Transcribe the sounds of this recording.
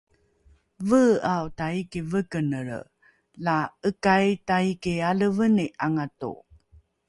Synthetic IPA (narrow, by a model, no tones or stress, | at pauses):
vəawtaikivəkənəɾ | laəkajtaikialəvəniʔaŋatṵ